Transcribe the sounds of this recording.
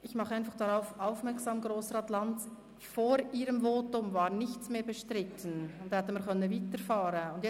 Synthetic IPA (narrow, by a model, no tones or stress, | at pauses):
ʔɪçmɑχəaɪnfaχd̥aʁaʊfʔaʊfmɛɾksaːmɡʁoːsəɾatlant | foːɾiːɾəmvoːtʊmvaːɾnɪçsmeːbəʃtʁɪtʰən̩ʊnthɛtəmɪːkʰœnənviːtəɾfaːɾənʊndjɛ